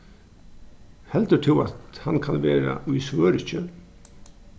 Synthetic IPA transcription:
hɛlt̪əʈʰɪlat̪hankʰanʋɛːɾa̰ʊjsʋœːɾɪçə

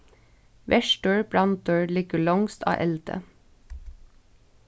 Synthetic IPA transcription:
ʋʔɛʃʈøːɹbɹɑnt̪̚øːɹlɪɡəɭɑŋst̪ʰɑ̰ːʔɛld̪̥ə̰

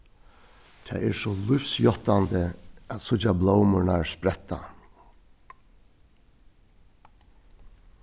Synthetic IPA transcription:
t̪ʰɛ̰ːɛɹsɔlʊfsjɔt̪ant̪əæt̪sʊt͡ʃːablowmʊnaɹspɾɛt̪ːa̰

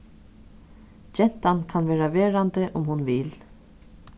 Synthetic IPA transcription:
d͡ʒɛn̥t̪ankʰanʋɛːɾaʋɛːɾant̪əʔʊmhʊnvɪl

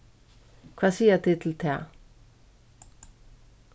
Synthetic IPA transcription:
kʰʋɑːsiːət̪ʰɪt̪ʰl̩t̪ʰeː

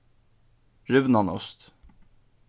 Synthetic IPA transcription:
ɾʏʋnɑnɔ̰st̪

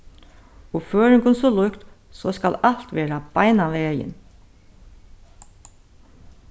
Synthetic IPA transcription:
ɔføːɹɪŋkʊnsɔlʊkt̪ | sɔːska̰lal̥t̪ʋeːɾab̥ajnaʋɛːjɪ̰n

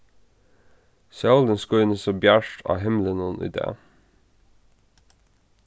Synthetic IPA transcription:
sɛld̪ənskɔʏnəsoːbjæʃʈʰɑ̰ːɦɛmlənənʔḭd̪ḛː

